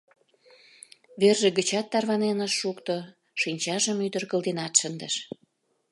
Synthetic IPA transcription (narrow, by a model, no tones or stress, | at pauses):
βerʒĕɡət͡ɕɑt̪ːɑrβɑnenəʃːukt̪o | ʃinʲt͡ɕɑʒəmyd̪ərɣəld̪enɑt̪ʃənd̪əʃ